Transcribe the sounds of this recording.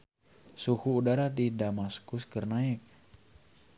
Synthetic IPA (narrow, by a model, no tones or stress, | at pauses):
sukuːdaɾadidamaskuskərnaɛk̚